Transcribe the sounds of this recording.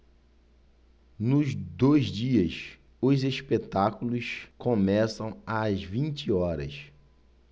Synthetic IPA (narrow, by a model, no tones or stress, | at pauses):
nʊzd̪ojzd͡ʒiɐs | ʊzeʃpet̪akulʊskõmɛsɐ̃w̃ɐzvĩnt͡ʃiɔɾɐ̰s